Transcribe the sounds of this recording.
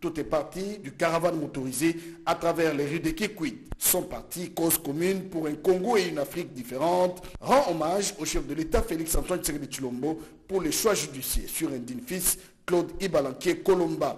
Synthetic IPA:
t̪ut̪ɛpaʁt̪id̪ykaʁavanmot̪ɔʁizeat̪χavɛʁleʁid̪ekikwit̪sɔ̃paʁt̪ikozkɔmynpuʁɛ̃kɔ̃ŋɡoeynafχik̚d̪ifeʁɑ̃t̪ʁɑ̃ɔmaʒoʃɛfd̪əlet̪afeliksɑ̃t̪ɔ̃nseɡed̪it͡ʃ̪lɔ̃mbo | puʁleʃwaʒyd̪isjḛsyʁɛ̃d̪infis | klod̪ibalɑ̃kjekɔlɔ̃mba

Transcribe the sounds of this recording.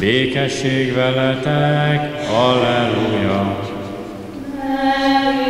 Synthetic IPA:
beːkɛʃːeːɡʋɛlɛt̪ɛkɒlɛluːjɒ

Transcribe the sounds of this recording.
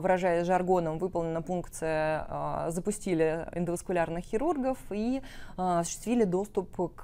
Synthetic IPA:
vɨɾɐʐajɪsʲʐɐrɡo̞nəmvɨpəlˠnʲɪnːəfunkt̪sɨjə | zəpʊsʲtʲilʲɪɪ̰nd̪əvəskʊlʲarnɨxxʲɪɾurɡəfiɐsʊ̥ɕɪ̥st̪vʲilʲɪd̪o̞st̪ʊpk

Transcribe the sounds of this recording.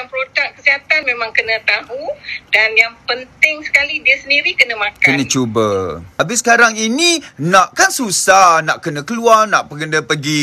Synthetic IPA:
aŋpəɾot̪aʔkəsiɦat̪anmẽmãŋkənə̃t̪aɦudanjaŋpənt̪ɪŋsə̥kalidiəsəndiɾikənə̃mãkənə̃t͡ʃubəabɪsəkaɾaŋinĩnaʔkansusahnaʔkənə̃kəluarnaʔpəkənə̃pəɡi

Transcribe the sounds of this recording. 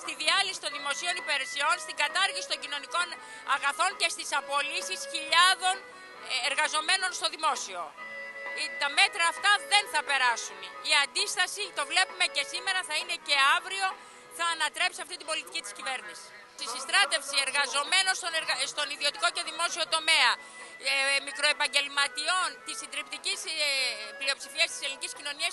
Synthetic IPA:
st̪iðiɐlisi̥t̪o̞nðimo̞sio̞nipe̞ɾesio̞nst̪iŋɡɐt̪ɐɾʝisi̥t̪o̞ɲɟino̞niko̞n | ɐɣɐθo̞nce̞st̪isɐpo̞lisisçiʎɐðo̞n | eɾɣɐzo̞me̞no̞nst̪o̞ðimo̞sio̞̰ | it̪ɐme̞t̪ɾɐːft̪ɐðe̞nθɐpe̞ɾɐsuniɐnd̪ist̪ɐsit̪o̞vle̞pume̞ce̞sime̞ɾɐθɐine̞ce̞ɐvɾio̞ | θɐːnɐt̪ɾe̞psiɐft̪it̪ibo̞lit̪icit̪i̥scive̞ɾnisi̥ | st̪isist̪ɾɐt̪e̞fsieɾɣɐzo̞me̞no̞nst̪onɾst̪o̞niðio̞t̪iko̞ce̞ðimo̞sio̞t̪o̞me̞ɐ | mikɾo̞e̞pɐɲɟe̞lmɐt̪io̞nt̪isind̪ɾipt̪icisplio̞psifiɐst̪i̥seliniciscino̞niɐs

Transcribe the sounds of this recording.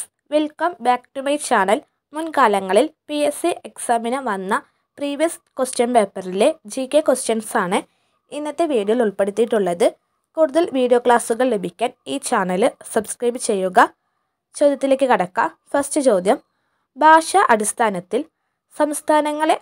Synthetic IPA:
ʋelkɐmbaːkʈumɐjt͡ɕaːɳɐl | munkaːlɐŋːɐɭilpiesiʔeksaːminɐʋɐnːɐ | priːʋijɐskwosʈjɐnpe̞ːpːɐrile̞d͡ʑikːekwosʈjɐnsaːɳɨ | inːɐt̪ːeʋiːɽijɐɭuɭpe̞ɽut̪ːiʈːuɭːɐðɨ | kuːɽuðɐlʋiːɽijoːkɭaːsuɣɐɭle̞bʱikʲːaːniːt͡ɕaːɳɐlɨsɐbskrɐjbt͡ɕe̞jːuɣɐ | t͡ɕo̞ːd̪jɐt̪ːileːk̬ʲːɨkɐɽɐkːɐ | fɐrsʈɨt͡ɕo̞ːd̪jɐm | bʱaːʂɐʔɐɽist̪ʰaːnɐt̪ːil | sɐmst̪ʰaːnɐŋːɐɭe

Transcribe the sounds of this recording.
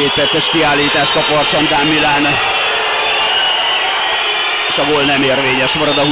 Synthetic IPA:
eːt̪̚pɛrtsɛʃkiaːlːiːt̪aːʃkɒpɒrʃɒnd̪aːmːilaːn | eːʃɒɡoːlnɛmeːrveːɲɛʃmɒɾɒd̪ɒɦu

